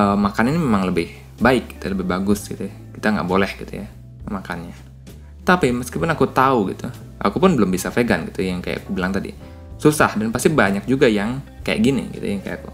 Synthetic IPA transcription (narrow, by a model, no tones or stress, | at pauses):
əmakaninimemaŋləbɪh | baɪk̚ɡi̥t̪uləbɪhbaɡʊsɡit̪u | kit̪aŋɡa̰ʔbolɛhɡit̪ṵja | makanɲa | t̪apiməskipʊnakut̪auɡḭt̪u | ʔa̰kupʊnbəlʊmbisafeɡanɡit̪ujaŋkaja̰ʔkubilaŋt̪adḭ | susa̰hdanpast̪ibaɲak̚d͡ʒuɡajaŋkaja̰ʔɡinḭɡḭt̪ṵjaŋkaja̰kṵ